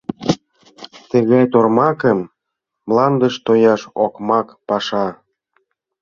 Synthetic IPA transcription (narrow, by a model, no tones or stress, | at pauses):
t̪ə̆ɣɑjt̪ormɑkəmː | lɑnd̪ə̆ʃt̪ojɑʃokmɑkpɑʃɑ